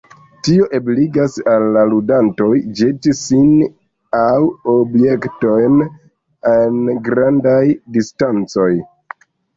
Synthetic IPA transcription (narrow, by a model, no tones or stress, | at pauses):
tio̞ʔebliɡasalːaludanto̞jd͡ʒetisin | awobje̞kto̞jn | enɡɾandajdistant͡so̞j